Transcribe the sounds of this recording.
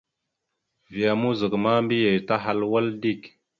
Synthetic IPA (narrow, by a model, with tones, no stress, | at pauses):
vi˨ja˨mu˦zə˨kma˦mbi˦je˨jta˦ɦa˦lwa˦ldi˦˨k